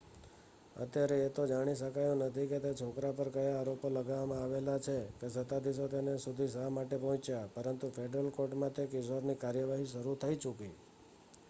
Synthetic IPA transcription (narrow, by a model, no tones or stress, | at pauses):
ə̰t̪jaɾeːt̪od͡ʒaɽ̃iʃəkajonət̪ʰiket̪et͡ʃʰokɾapəɾkəjaːɾopoləɡaʋamãaʋelat͡ʃʰekesət̪ad̪is̬ot̪enesud̪ʱisamaʈepəɦɔ̃t͡ʃjapəɾənt̪ufʰeɖɾəlkoʈmãt̪ekisoɾnikaɾjəʋaɦiʃəɾut̪ʰəit͡ʃuki